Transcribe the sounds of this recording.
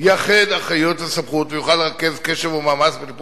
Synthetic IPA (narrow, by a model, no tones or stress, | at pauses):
jaχed̪aχajotasabχut̪vejuχalːeʁake̞zkeʃevumaːmat͡sbet̪ip